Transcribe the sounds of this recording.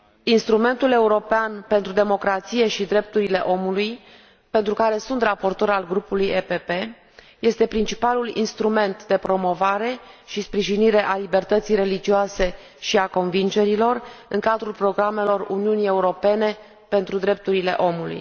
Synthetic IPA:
inst̪ɾume̞nt̪ule̞uɾo̞peanpe̞nt̪ɾud̪emo̞kɾat̪sije̞ʃid̪ɾe̞p̚t̪uɾile̞ʔo̞muluj | pe̞nt̪ɾukaɾe̞sunt̪rapo̞rt̪o̞ɾalɡɾupulujepepe̞ | je̞st̪e̞pɾint͡ʃipalulḭnst̪ɾume̞nt̪d̪e̞pɾo̞mo̞vaɾe̞ʃispɾiʒiniɾe̞ʔalibe̞rt̪ət̪sijɾe̞lid͡ʒioase̞ | ʃiako̞nvind͡ʒe̞ɾilo̞rɨŋkad̪ɾulpɾo̞ɡɾame̞lo̞runiunije̞uɾo̞pe̞ne̞ | pe̞nt̪ɾud̪ɾe̞p̚t̪uɾile̞̰ʔo̞mulṵj

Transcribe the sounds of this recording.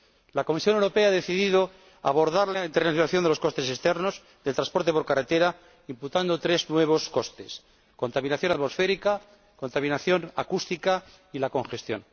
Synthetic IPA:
lako̞misjo̞newɾo̞pe̞aaðe̞θiðiðo̞ | a̰βo̞ɾðaɾlaint̪eɾnaθjonaθjond̪elo̞sko̞st̪e̞sest̪eɾno̞z | ðelt̪ɾãspo̞ɾt̪epo̞ɾkaret̪e̞ɾa | imput̪and̪ot̪ɾe̞znwe̞β̞o̞sko̞st̪e̞s | ko̞nt̪aminaθjo̞nat̪mo̞sfe̞ɾika | ko̞nt̪amĩnaθjo̞na̰kust̪ika | ilako̞ŋxe̞st̪jo̞̰n

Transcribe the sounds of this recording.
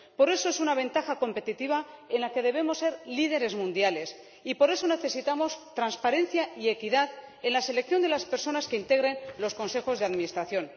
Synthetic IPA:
po̞ɾe̞so̞e̞sunaβ̞e̞nt̪axako̞mpe̞t̪it̪iβ̞ae̞nlake̞ð̞e̞β̞e̞mo̞sːe̞ɾlið̞e̞ɾezmũnd̪jale̞s | ipo̞ɾe̞so̞ne̞θe̞sit̪amo̞st̪ɾanspaɾe̞nθjaie̞kiðað | e̞nlase̞lek̚θjo̞nd̪elaspe̞ɾso̞naske̞int̪eɣɾe̞nlo̞sko̞nse̞xo̞zðeaðmĩnist̪ɾaθjo̞n

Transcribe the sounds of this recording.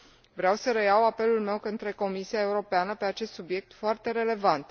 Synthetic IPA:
vɾeawsəɾe̞jawape̞lulme̞wkɨnt̪ɾe̞ko̞misiaeuɾo̞peanəpe̞at͡ʃe̞st̪subje̞k̚t̪foart̪e̞ɾe̞le̞vant̪

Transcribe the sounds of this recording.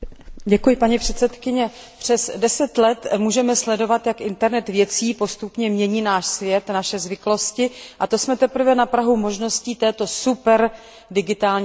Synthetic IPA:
ɟɛkujɪpaɲipr̝̥ɛt̪sɛt̪kɪɲɛ | pr̝̥ɛsdɛsɛt̪lɛt̪muːʒɛmɛslɛdo̞vat̪jakʔɪnt̪ɛɾnɛt̪vjɛt͡siːpo̞st̪upɲɛmɲɛɲiːnaːʃsvjɛt̪naʃɛzvɪklo̞scɪʔat̪o̞smɛt̪ɛpɾ̩vɛnapɾaɦumo̞ʒno̞sciːt̪ɛːt̪o̞supɛɾ | dɪɡɪt̪aːlɲ

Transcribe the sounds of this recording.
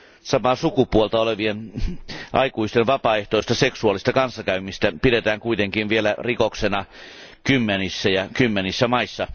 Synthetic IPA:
sɑmɑsukupuolt̪ɑoleʋien | ʔɑ̰ikuist̪enʋɑpɑːeht̪oˑist̪ɑseksuɑˑlist̪ɑkɑnsːɑkæymist̪æpidet̪æːŋkuit̪eŋkinʋielærikoksenɑ | kymːenisːæjɑkymːenisːæmɑisːɑ

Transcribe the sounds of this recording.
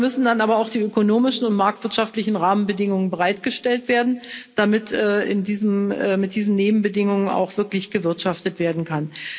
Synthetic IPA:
mʏsn̩danʔaːbɐaʊxd̥iːøkonoːmɪʃn̩ʊntmaɐk̚tv̥ɪɐtʃaftlɪçn̩ʁaːmənbədɪŋʊŋənbəʁaɪtɡ̥əʃtɛltv̥eːɐdn̩d̥amɪtɛːɪ̰ndiːzəmɛːmɪt̚d̥iːzn̩neːbm̩bədɪŋʊŋəna̰ʊxv̥ɪɐklɪçɡ̥əvɪɐtʃaftətv̥eːɐdn̩kʰan

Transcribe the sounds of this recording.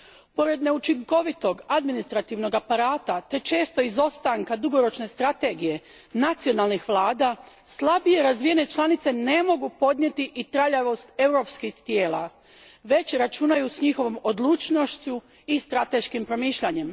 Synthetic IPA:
po̞ɾe̞d̪ne̞ut͡ʃiŋko̞ʋit̪o̞ɡad̪minist̪ɾat̪iʋno̞ɡapaɾaːt̪at̪e̞t͡ʃe̞ːst̪o̞izo̞st̪aŋkad̪uɡo̞ɾo̞t͡ʃne̞st̪ɾat̪e̞ɡije̞ | nat̪sio̞nalˠnixʋlˠaːd̪a | slˠabije̞ɾazʋije̞ne̞t͡ʃlˠanit̪se̞ne̞mo̞ɡupo̞d̪nɲe̞t̪iʔit̪ɾaʎaʋo̞st̪e̞wɾo̞pskixt̪je̞ːla̰ | ʋe̞t͡ɕɾat͡ʃunajusɲixo̞ʋo̞mod̪lˠuːt͡ʃno̞ʃt͡ɕu | ist̪ɾat̪e̞ʃkimpɾo̞miːʃʎaɲe̞m

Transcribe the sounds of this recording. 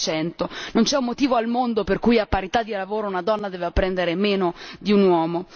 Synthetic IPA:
t͡ʃɛnt̪onont͡ʃɛumːot̪iːvoalmond̪operkujapːaɾit̪ad̪ːilavoːɾounad̪ɔnːad̪ɛːvapːɾɛnd̪eɾemeːnod̪iunwɔːmo

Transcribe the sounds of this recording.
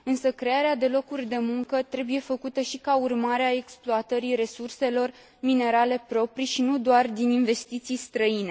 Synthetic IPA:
ɨnsəkɾe̞aɾead̪e̞lo̞kurʲd̪e̞muŋkət̪ɾe̞buje̞fəkut̪əʃikaurmaɾeae̞ksploat̪əɾiɾe̞surse̞lo̞r | mine̞ɾale̞pɾo̞pɾiʃinud̪oard̪ininve̞st̪it̪sijst̪ɾəine̞

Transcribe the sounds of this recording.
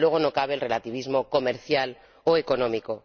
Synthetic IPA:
we̞ɣ̞ono̞kaβ̞e̞ːlre̞lat̪iβ̞izmo̞ko̞me̞ɾθjal | oe̞ko̞nõ̞miko̞

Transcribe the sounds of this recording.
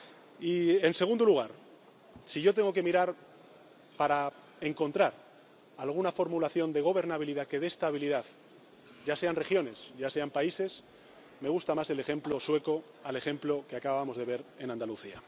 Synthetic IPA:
ie̞nse̞ɣ̞und̪oluɣ̞aɾ | siʝo̞t̪e̞ŋɡo̞ke̞miɾaɾ | paɾa | e̞ŋko̞nt̪ɾaɾ | alɣ̞unafo̞ɾmulaθjo̞nd̪e̞ɣ̞o̞βe̞ɾnaβiliðake̞ðest̪aβ̞iliðað | ɟ͡ʝase̞anre̞xjo̞ne̞sʝase̞ampaise̞s | me̞ɣ̞ust̪amase̞le̞xe̞mplo̞swe̞ko̞ | ale̞xe̞mplo̞keakaβaβamo̞zðe̞β̞e̞ɾe̞nãnd̪aluθia

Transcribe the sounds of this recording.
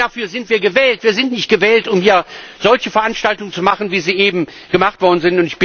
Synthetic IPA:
afyːɐzɪntv̥iːɐɡəvɛːltv̥iːɐzɪntnɪçt̚ɡ̥əvɛːltʊmhiːɐz̥ɔlçəfɛɐʔanʃtaltʊŋənt͡sumaχn̩viːziːʔeːbm̩ | ɡ̥əmaχtv̥ɔɐdn̩zɪntʊntɪçb̥

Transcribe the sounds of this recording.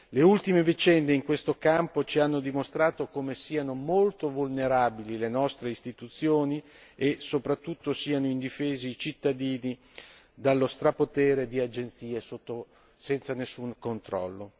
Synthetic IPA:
leult̪imevit͡ʃɛnd̪eiŋkwest̪okampot͡ʃianːod̪imost̪ɾaːt̪okomesiːanomolt̪ovulneɾaːbililenɔst̪ɾeist̪it̪ut̪sːjoːni | esopɾat̪ːut̪ːosiːanoind̪ifeːzeːt͡ʃit̪ːad̪iːni | d̪alːost̪ɾapot̪eːɾed̪iad͡ʒent̪siːesot̪ːo | sɛnt̪sanesːuŋkont̪ɾɔ̰lːo

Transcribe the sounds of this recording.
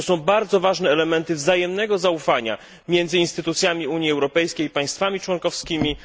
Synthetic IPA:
ɔsɔ̃w̃baɾd̪zɔvaʐnɛːlɛmɛnt̪ɘvzajɛmnɛɡɔzaufaɲa̰ | mʲjɛnd̪zɨɘinst̪ɘt̪ut̪sʲjamʲiuɲjiɛwɾɔpɛjskʲejpaj̃st̪famʲit͡ʂwɔnkɔfskʲimʲi

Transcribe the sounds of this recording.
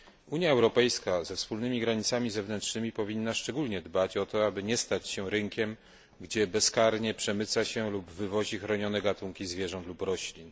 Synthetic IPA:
uɲjaɛwɾɔpɛjskazɛfspulnɘmʲiɡɾaɲit̪samʲizɛvnɛntʂnɘmʲipɔvʲinːaʂt͡ʂɛɡulɲɛd̪bat͡ɕɔt̪ɔabɘɲɛst̪at͡ɕɕɛɾɘŋkʲɛm | ɡd͡ʑɛbɛskaɾɲɛpʂɛmɘt̪saɕɛlubvɘvɔʑixɾɔɲɔnɛɡat̪uŋkʲizvʲjɛʐɔnt̪lupɾɔɕlʲin

